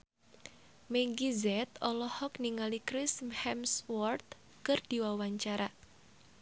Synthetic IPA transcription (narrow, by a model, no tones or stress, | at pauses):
mɛɡizɛt̪ɔlɔhɔk̚niŋalikɾɪsmhɛmswɔrt̪̚ | kərd̪̥iwawaɲt͡ʃaɾa